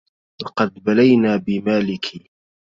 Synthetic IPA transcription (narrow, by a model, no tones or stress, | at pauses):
lɑqɑd̪balajnaːbɪmaːlɪkʰiː